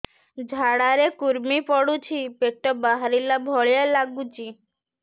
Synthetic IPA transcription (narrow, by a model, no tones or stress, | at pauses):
d͡ʒʱaɽaɾekuɾmipɔɽut͡ʃʰipeʈːɔbaɦaɾilabʱɔɭjalaɡut͡ʃi